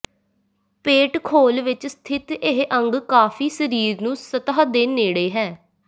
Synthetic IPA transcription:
peːʈkʰoːlʋɪt͡ʃst̪ʰɪt̪eɦʔəŋɡkaːfʰiːsəɾiːɾnũːsət̪aːad̪eːneːɽeːɦɛː

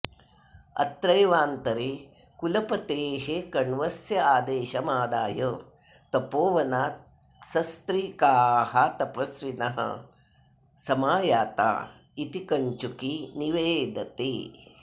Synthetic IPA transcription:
ɐ̰t̪ɾɐjʋaːnt̪ɐɾeː | kulɐpɐt̪eːɦekɐɳʋɐsjɐaːd̪eːʃɐmaːd̪aːjɐ | t̪ɐpoːʋɐnaːt̪̚ | sɐst̪ɾiːkaːhat̪ɐpɐsʋinɐɦɐ̰ | sɐmaːjaːt̪a̰ː | it̪ikɐɲt͡ʃukiniʋeːd̪ʱɐt̪eː

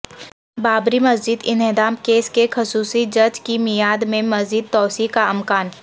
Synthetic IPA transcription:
baːbɾimɐzd͡ʒɪd̪ɪnɪd̪aːmkeːskexʊsuːsid͡ʒɐɾd͡ʒkimijaːd̪mẽmɐziːd̪̚t̪ɔːsikaɐmkaːn

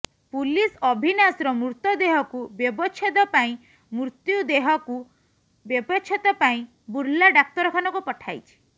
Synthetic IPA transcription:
pulisɔbʱinasɾɔmuɾt̪ɔd̪eɦɔkubjɔbɔt͡ʃʰɔt̪ɔpaĩ | mɾut̪jud̪eɦɔku | bjebɔt͡ʃʰɔt̪ɔpaĩ | buɾlaɖak̚t̪ɔɾɔkʰanɔkupɔʈʰajt͡ʃʰi̥

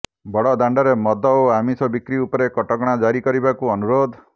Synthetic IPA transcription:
bɔɽɔd̪aɳɖɔɾemɔd̪ʱɔoamisɔbikɾiupɔɾekɔʈɔɡɔɽ̃ad͡ʒaɾikɔɾibakuɔnuɾod̪ʱ

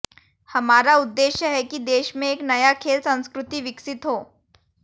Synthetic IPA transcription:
hɐmaːɾaʊd̪ːeːʃjəɦɛkid̪eːʃmẽeːknɐjakʰeːlsɐ̃nskɾʊt̪iʋɪksɪt̪ɦoː

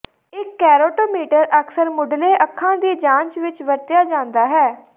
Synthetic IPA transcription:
ɪkːɛːɾoːʈoːmiːʈəɾʔəksəɾmʊɖleːʔəkʰːãːd̪iːd͡ʒãːnt͡ʃʋɪt͡ʃʋəɾt̪ɪjaːd͡ʒãːnd̪aːɦɛː

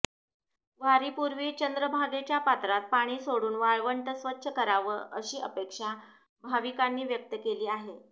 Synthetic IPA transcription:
ʋaɾiːpuɾʋiːt͡ɕənd̪ɾəbʱaɡet͡ɕjapat̪ɾat̪̚paɽ̃iːsoɽuːnʋaɭʋəɳʈ̪əsʋətːɕʰəkəɾaʋəːəɕiːəpekʂa | bʱaʋikanːiːʋjək̚t̪əkeliːaɦe

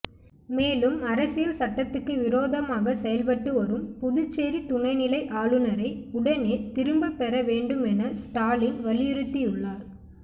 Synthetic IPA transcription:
meːlɯmɐɾɐsɪjɐlsɐʈːɐt̪ːɯkːɯʋɪɾoːðɐmaːɣɐsɛjɐlpɐʈːɯɔɾɯmpʊðɯt͡ʃːeːɾit̪ʊɳɐɪnɪlɐɪʔaːɭɯnɐɾɐɪʊɽɐneːt̪ɪɾɯmbɐpːɛɾɐʋeːɳɖɯmɛnɐsʈaːlɪnʋɐlɪjɪɾɯt̪ːijʊɭːaːɾ

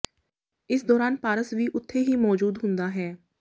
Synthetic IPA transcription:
ɪsd̪ɔːɾaːnpaːɾəsʋiːʔʊt̪ʰːeːɦiːmɔːd͡ʒuːd̪ɦʊnd̪aːɦɛː

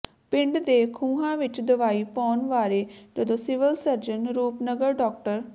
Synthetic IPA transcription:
pɪ̃ɳɖd̪eːkʰũːɦãːʋɪt͡ʃd̪əʋaːiːpɔːnʋaːɾeːd͡ʒəd̪õːsɪʋəlsəɾd͡ʒənɾuːpnəɡəɾɖɔːk̚ʈəɾ

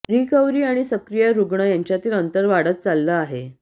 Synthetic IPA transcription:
ɾikəwɾiːaɽ̃isəkɾijəɾuɡɳəjaɲt͡ɕjat̪iːlənt̪əɾʋaɽət̪̚t͡salːəaɦe

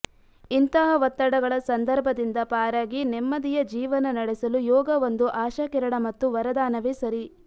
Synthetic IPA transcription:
int̪ɐɦɐʋɐt̪ːɐɽɐɡɐɭɐsɐnd̪ɐɾbʱɐd̪ind̪ɐpaːɾaːɡinɛmːɐd̪ijɐd͡ʒiːʋɐnɐnɐɽɛsɐlujɔːɡɐʋond̪uʔaːʃɐkɛɾɐɽɐmɐt̪ːuʋɐɾɐd̪aːnɐʋesɐɾi

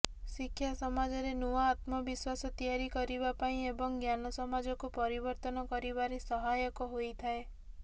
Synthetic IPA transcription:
sikʰːjasɔmad͡ʒɔɾenuwaːt̪mɔbiswasɔt̪ijaɾikɔɾibapaĩebɔŋɡjanɔsɔmad͡ʒɔkupɔɾibɔɾt̪ɔnɔkɔɾibaɾesɔɦajɔkɔɦojt̪ʰae

